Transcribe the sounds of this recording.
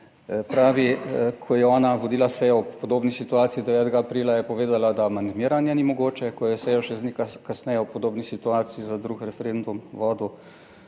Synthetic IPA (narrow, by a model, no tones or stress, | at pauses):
pɾaːʋikʰɔjɛɔːnaʋɔd̪iːlasɛjɔɔppːɔd̪oːbnisit̪uaːt̪siid̪ɛʋɛːt̪ɛɡaːpɾiːlajɛpɔʋeːd̪alad̪aːmand̪miːɾanjɛnimɔɡoːt͡ʃɛkɔjɛsɛjɔʃɛznikkasnɛjɛpɔd̪oːbnisit̪uaːt̪siizad̪ɾukɾɛfɛɾend̪umʋɔːd̪u